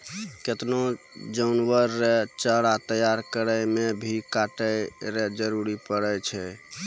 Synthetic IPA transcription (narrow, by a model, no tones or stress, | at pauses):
ket̪no | d͡ʒəʊnwəɾːet͡ʃəɽat̪əjaɾkəɾəjmebʱikaʈəjɾed͡ʒəɾuɾipəɽɛt͡ʃʰɛ